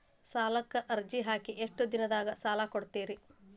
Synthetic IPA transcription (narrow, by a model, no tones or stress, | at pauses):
saːlɐkːɐʔɐɾd͡ʒiɦaːkiʔeʂʈɐd̪inɐd̪aːɡɐsaːlaːkoɽt̪iːɾi